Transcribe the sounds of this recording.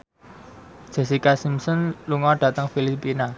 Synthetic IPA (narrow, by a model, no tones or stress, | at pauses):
d̥ʒ̥ɛ̤sikasimsɔnluŋɔɖ̥ä̤t̪əŋfilipina